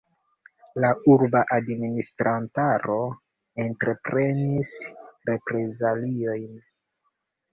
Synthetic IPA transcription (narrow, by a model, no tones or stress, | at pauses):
lauɾbaʔadministɾʔantaɾo̞ | entɾe̞pɾe̞nisɾe̞pɾe̞zalio̞jn